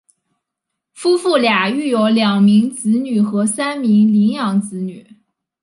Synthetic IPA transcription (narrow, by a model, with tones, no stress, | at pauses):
fu˥fu˥˩lja˨˩y˥˩jo˧˥ʊljɑ˨˩ŋmi˧˥ŋt͡sɹ̩˧˥ny˨˩xɤ˧˥sa˥nmi˧˥ŋli˧˥ŋjɑ˨˧˥ŋt͡sɹ̩˧˥ny˨˩˦